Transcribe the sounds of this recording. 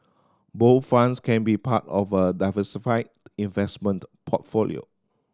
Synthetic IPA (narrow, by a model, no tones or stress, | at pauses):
boθfãnskʰɛ̃nbipʰatɔvədaɪvəsifaɪ | ĩnvɛsmə̃ntpʰɔtfolḭo̰